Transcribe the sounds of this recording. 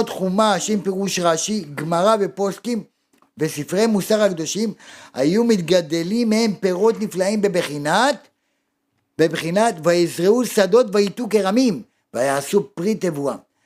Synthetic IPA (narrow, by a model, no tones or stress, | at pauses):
t̪χumaʃempeʁuʃʁaʃiɡmaʁave̞po̞skim | vesifʁejmusaʁhakd̪o̞ʃimha̰jumit̪ɡad̪e̞limːehe̞mpe̞ʁo̞t̪niflaimbebχinat | bebχinat̪vajizʁeusad̪o̞t̪vait̪ukeʁamim | vajaːsupʁit̪evua